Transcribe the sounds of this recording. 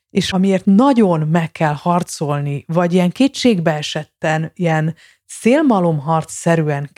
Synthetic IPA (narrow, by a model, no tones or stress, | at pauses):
eːʃɒmieːrt̪nɒɟo̞nmɛkːɛlhɒrt̪so̞lnivɒɟijɛŋkeːtʃeːɡbɛɛʃɛt̪ːɛnijɛn | seːlmɒlo̞mɦɒrt̪sɛɾyɛŋ